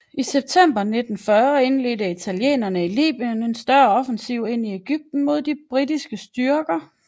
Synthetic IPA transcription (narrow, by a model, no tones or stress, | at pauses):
iseb̥̚t͡sʰem̰b̥ɐne̝d̥n̩fɶɐe̝nle̝dəit͡sʰæljḛːnɐnəilḭːb̥iəne̝nsd̥ɶɐɒ̽fənsiʊ̰e̝n̰ieɡ̥yb̥̚d̥n̩mo̝ð̞̰ˠd̥ibb̥ʁid̥isɡ̥əsd̥yɐɡ̥ɐ